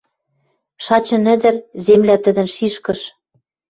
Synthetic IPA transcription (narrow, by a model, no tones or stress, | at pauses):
ʃɑt͡ɕɤ̆nɘ̆d̪ɘ̆rzemlæt̪ɘ̆d̪ə̆nʃiʃkɤ̆ʃ